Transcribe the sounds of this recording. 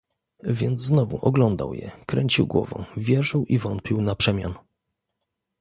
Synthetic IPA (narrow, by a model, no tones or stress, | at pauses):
vʲjɛnd̪zznɔvṵʔɔɡlɔnd̪a̰wjɛ̰kɾɛɲt͡ɕiwɡwɔ̰vɔ̰̃vʲjɛʐɘwʔivɔnt̪̚pʲiwnapʂɛmʲja̰n